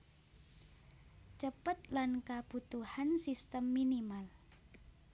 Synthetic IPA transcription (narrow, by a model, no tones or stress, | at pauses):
t͡ʃəpət̪̚lankab̥ut̪uhansist̪əmːinimal